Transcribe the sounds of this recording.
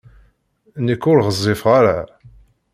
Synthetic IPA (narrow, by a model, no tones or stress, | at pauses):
nəkːʊɾʁəzˤːɪfʁaɾa̰